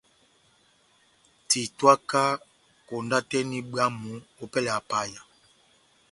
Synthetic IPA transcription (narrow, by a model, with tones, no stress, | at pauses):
ti˨twa˦ka˦ | ko˨nda˦tɛ˦ni˦ɓa˦mu˨˦o˦pɛ˦lɛ˨a˨pa˦ja˨